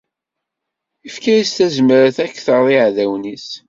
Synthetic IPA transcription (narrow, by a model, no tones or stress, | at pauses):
ifkæjist̪æzməɾəθækːθəɾðˤiʕðæwnis